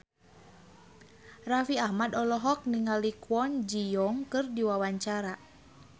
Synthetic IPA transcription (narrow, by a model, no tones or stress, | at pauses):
rafiahmadɔlɔɦɔk̚niŋalikwɔnd͡ʒijɔŋkɨrdiwawaɲt͡ʃaɾa